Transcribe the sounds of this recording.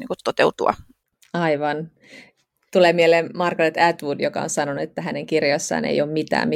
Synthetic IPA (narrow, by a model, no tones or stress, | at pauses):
nḭːŋkut̪t̪ːot̪eut̪uɑ̰ | ɑiʋɑn | t̪ulemielemmɑrkɑnet̪æt̪ʋudjokɑ̰onsɑnonuet̪ːæɦæneŋkirjosːɑ̰ːnḛijoːmmit̪æ̰ːmmi